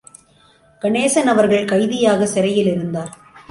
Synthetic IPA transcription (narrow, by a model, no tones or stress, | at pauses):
kɐɳeːsɐnɐʋɐɾɣɐɭkɐɪðɪjaːɣɐsɪɾɐjɪlɪɾɯnd̪aːɾ